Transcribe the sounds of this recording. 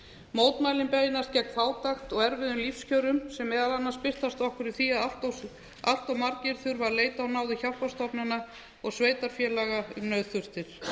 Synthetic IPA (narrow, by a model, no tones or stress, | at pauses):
moːwt̪maːjlɪmpejɪnascɛk̪̚faːwt̪axt̪ɔɣɛɾvɪðʏmlifscœwɾʏmsɛmːɛːðalanːḁspɪr̥t̪ast̪ɔhkʏɾɪθiaðalt̪ | al̥t̪awmaɾcɪɾθʏɾvaɾleːjt̪awnaːwðɪçahpast̪ɔpnɪna | ɔɣsveːjt̪aɾ̥fjɛːlaɣaʏmnœɥðθʏr̥t̪ɪɾ̥